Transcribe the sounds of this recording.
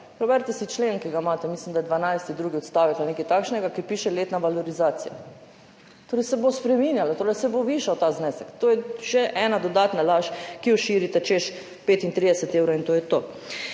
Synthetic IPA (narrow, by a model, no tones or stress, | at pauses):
pɾɛbɛɾt̪ɛsit͡ʃlenkiɡamaːt̪ɛmislimd̪ajɛd̪ʋanajst̪id̪ɾuːɡiɔt̪st̪aːʋit̪aneːkajt̪akʃnɛɡakiɾpiːʃɛleːt̪naʋalɔɾizaːt̪sija̰ | t̪oːɾɛjsɛbospɾɛminjalat̪oːɾɛjsɛboʋiːʃawt̪aːznɛsɛkt̪oːjɛʃɛʔɛːnad̪ɔd̪at̪nalaʃkijɔʃiːɾit̪ɛt͡ʃeʃ | peːt̪int̪ɾid̪ɛsɛt̪ewɾoint̪oːjɛt̪oː